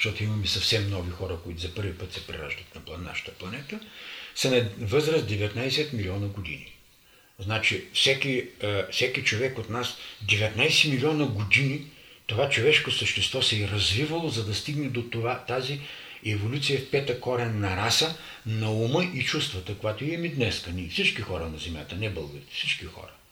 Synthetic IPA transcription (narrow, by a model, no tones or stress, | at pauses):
ʃt̪ɔt̪ʊimɐmɛsɐfsɛmnɔvixɔɾəkoit̪ʊzɐpɤɾvipɤt̪sɛpɾɛ̰ɾa̰ʒd̪ət̪nɐpˠɐna̰ʃə̥t̪ə̥plˠɐnɛt̪əsɐnɐvɤzɾəsd̪ɛvɛt̪najsɛt̪milʲiɔnəɡod̪ḭnḭ | znat͡ʃifsɛkʲifsɛkit͡ʃovɛkot̪nasd̪ɛvɛt̪najsɛmilʲiɔnəɡod̪init̪ovat͡ʃovɛʃkosəʃt̪ɛst̪vɔsɛɾɐzvivəlˠozɐd̪ɐst̪iɡnɛd̪ot̪ovat̪aziɛvolʲut̪sijəfpɛt̪əkɔɾɛnːɐɾasə | nɐuməʔit͡ʃust̪vət̪əkojat̪oiɛmid̪nɛskənifsit͡ʃkixɔɾənɐzɛmja̰t̪ənɛbɤlˠɡəɾit̪ɛ̥fsit͡ʃkixɔ̰ɾə